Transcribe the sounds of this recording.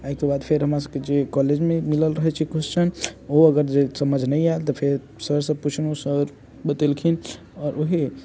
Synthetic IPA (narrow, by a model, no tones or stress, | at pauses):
aɦikebad̪pʰeɾɦəmɾas̬əbked͡ʒekɔled͡ʒmẽmiləlɾəɦɛt͡ʃʰikʰust͡ʃʰənoəɡəɾd͡ʒesəməd͡ʒʱnəiaelt̪ɔpʰeɾ | səɾsə̃bput͡ʃʰənosəɾ | bət̪elkʰin | ɔːɾʔoɦi